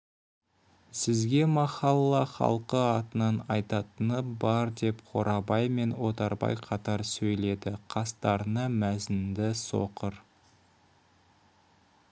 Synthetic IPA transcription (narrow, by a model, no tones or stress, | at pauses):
sɪzɡʲe̞mɑχɑlˠːɑχɑ̰lˠqəɑt̪ənɑnɑjt̪ɑt̪ənəbɑɾd̪e̞pqʰo̞̰ɾɑbɑjme̞nwo̞t̪ɑɾbɑ̰jqʰɑt̪ɑɾsɵjle̞d̪ɪqʰɑst̪ɑɾnəmæzɪnd̪ɪso̞̰qəɾ